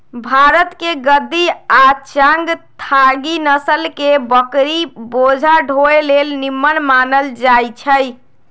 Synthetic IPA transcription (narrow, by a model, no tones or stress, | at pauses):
bʱaɾət̪keɡəd̪ːiat͡ʃə̃ŋɡt̪ʰaɡinəsəlkebəkɾibod͡ʒʱaɖʱoelelnimːənmanəld͡ʒajt͡ʃʰəj